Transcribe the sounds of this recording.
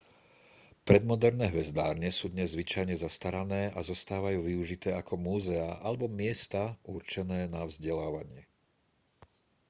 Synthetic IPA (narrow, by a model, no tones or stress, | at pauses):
pɾɛd̪mɔd̪ɛɾnɛːɦʋɛzd̪aːɾɲɛsuːd̪ɲɛzːʋit͡ʃajɲɛzast̪aɾanɛːʔazɔst̪aːʋajuːʋiuʒit̪ɛːakʰɔmuːzɛaʔalɛbɔmɪɛst̪aʔurt͡ʃɛnɛːnavzɟɛlaːʋaɲɪɛ